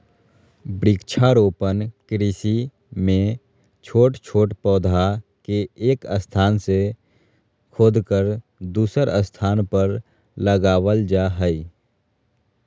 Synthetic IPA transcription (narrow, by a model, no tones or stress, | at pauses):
bɾiːkt͡ʃʰaɾoːpənkɾisi | mẽ | t͡ʃʰoːʈt͡ʃʰoːʈpɔːd̪ʱakeeːkəst̪ʰaːnse | kʰoːd̪kəɾ | d̪uːsəɾəst̪ʰaːnpəɾ | ləɡaːwəld͡ʒaːɦəi